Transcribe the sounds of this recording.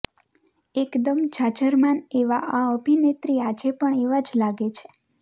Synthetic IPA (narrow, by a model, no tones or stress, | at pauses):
ekd̪əmd͡ʒat͡ʃəɾmaneʋaʔaəbʱinet̪ɾiad͡ʒepəɳeʋad͡ʒlaɡet͡ʃʰe̥